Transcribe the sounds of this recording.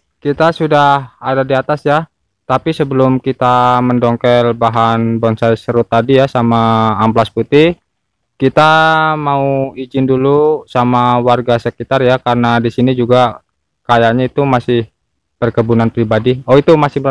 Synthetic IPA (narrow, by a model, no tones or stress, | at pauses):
kit̪asudahadadiat̪asja | t̪apisəbəlʊmkit̪aməndɔŋkɛlbaɦanbɔnsajsɾot̪adijasamaːmplasput̪ɪ | kit̪amauid͡ʒɪndulusamawarɡasəkit̪arjakaɾənadisinid͡ʒuɡa | kajaʔɲait̪umasɪh | b̥ərkəbunanpɾibadioit̪umasɪh